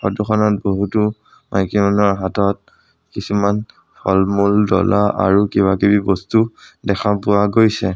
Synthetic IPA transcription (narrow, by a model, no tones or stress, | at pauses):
xɔ̰tuxʰɔnɔt̚boɦutu | mʔajkimanɔɹɦatɔt̚ | kisuman | pʰɔlmuldɔ̰lʔaʔa̰ɹukibakibibɔstudɛkʰapʊwaɡojsɛ